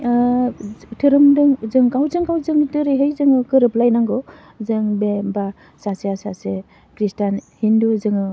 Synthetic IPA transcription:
tʰɯɾɯmdɯŋzɯŋkawzɯŋkawzɯŋtɯɾɯjɦɯjzɯŋɯkɯɾɯplajnaŋɡɔ | zɯŋbeba | sasejasase | kɾistanhinduzɯŋɯ

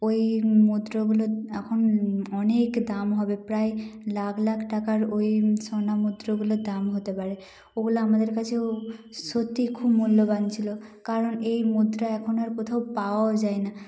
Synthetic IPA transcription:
ojmud̪ɾoɡuloɛkʰonɔnekd̪amɦɔbepɾajlakʰlakʰʈakaɾojsɔnamud̪ɾoɡulod̪amɦot̪epaɾe | oɡulaamad̪eɾkat͡ɕʰewsot̪ikʰubmulːobant͡ɕʰilokaɾɔnejmud̪ɾaɛkʰɔnoaɾkot̪ʰawpaod͡ʑajna

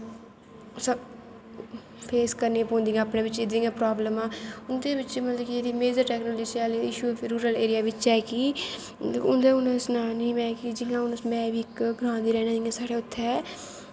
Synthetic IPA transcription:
sə | pʰeːskəɾneːpõːnd̪ĩːãaːpnẽːʋɪt͡ʃeːd̪ijãːpɾaːbləmãːʊnd̪eːbɪt͡ʃmət̪ləbkieːd̪iːmeːd͡ʒəɾʈɛːknoːld͡ʒiːt͡ʃɛːliɪʃuːfɾuːɾəleːɾɪjaːʋɪt͡ʃɛːkiː | ʊnd̪eːʊnsnãːnĩːmɛ̃ːkid͡ʒɪŋãːʊnmɛ̃ːʋiːɪkɡɾãːnd̪iːɾɛːnãːd͡ʒɪŋãːsaːɽeːʊt̪ʰːɛ

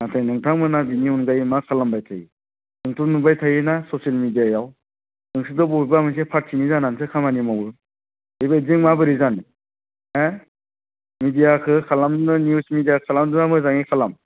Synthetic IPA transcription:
natʰajnɯŋtʰaŋmɯnabiniunɡajmakʰalambajtʰaji | nɯŋtʰunubajtʰajɯnasɔsialmidijajaw | nɯŋsɯdɯbɔujbamɯŋs̬epʰat̚sʰinizanansɯkʰamanimawɯ | ɯjbɯziŋmabɯɾizan | e | midijakʰɯkʰalamnɯniusmidijakʰalamdunamɯzaŋikʰalam

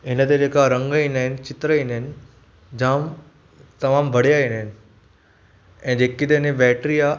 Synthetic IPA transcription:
ɪnət̪ed͡ʑeːkaɾɐ̃ŋɡainaːɦɪnɪt͡ɕɪt̪ɾəinɦɪn | d͡ʑãːm | t̪ɐmaːmbʱɐɽ̤jainəɦɪnɪ | ɛ̃ːd͡ʑeːkit̪enebɛːʈɾija

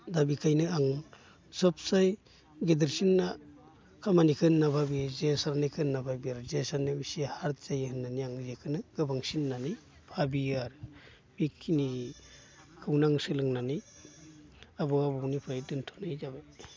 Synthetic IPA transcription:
dabikʰajnɯaŋ | sɔp̚saj | ɡedɯɾsinːa | kʰamanikʰɯnːapʰabizesaɾanikʰɯnːapʰabijaɾzesanemisihaɾtz̥ajhɯnːaniaŋzekʰɯnɯɡ̥ɯbaŋsinːanij | pʰabiaɾ | b̥ikʰːini | kʰɯwnaŋsɯlɯŋnanij | abɔabɔwnipʰajdɯntʰɔ̥najzaba

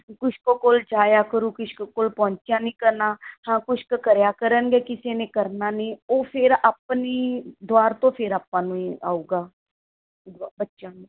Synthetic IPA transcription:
kʊʃkokoːld͡ʒaːjaːkəɾuːkɪʃkːkoːlpɔ̃ːɲt͡ʃɪjãːnĩːkəɾnaːhãːkʊʃkəkəɾjaːkəɾənɡɛːkɪseːnẽːkəɾnaːnĩːoːpʰeɾaːpniːd̪ʊaːɾt̪õːpʰɪɾaːpːãːnũːia̰ːuːɡaː | d̪bətːʃãːnũː

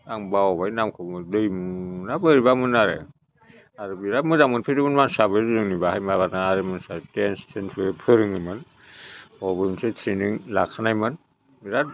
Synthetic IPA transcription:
aŋbaɔbajnamkʰɯmɯdɯjmunabɯɾibamɯnaɾɯ̰ | aɾɯbiɾamɯdaŋmɯnpʰeɾɯmɯnmansabɯjɾuɾɯŋnibahajmaβataaɾɯmɯnsatenstʰenpʰɯɯpʰɯɾɯŋɯmɯn | ɔbɯmɯnsetʰɾiniŋlakʰanajmɯn | biɾa

